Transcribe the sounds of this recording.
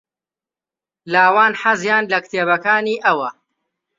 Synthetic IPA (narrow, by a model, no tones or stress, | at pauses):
laːwaːnħazjaːnlɐkt̪ʰeːβɐkaːniːʔɐwɐ